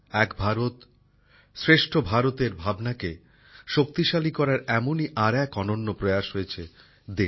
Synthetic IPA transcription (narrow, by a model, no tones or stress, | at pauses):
ɛkbʱaɾot̪ | sɾeʃʈʰobʱaɾot̪eɾbʱabnake | ʃok̚t̪iʃalikɔɾaɾɛmoniʔaɾɛkɔnonːopɾojaʃɦojet͡ɕʰe | d̪e